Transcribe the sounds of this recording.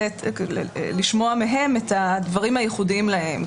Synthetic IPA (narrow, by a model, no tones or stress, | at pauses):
et | liʃmo̞ameɦe̞metadvaʁimhajeχudiimlahe̞m